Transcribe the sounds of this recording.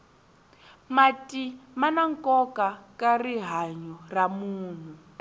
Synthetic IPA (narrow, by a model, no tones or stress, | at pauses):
matimanaŋkɔkakariɦaɲɔramuːn̤u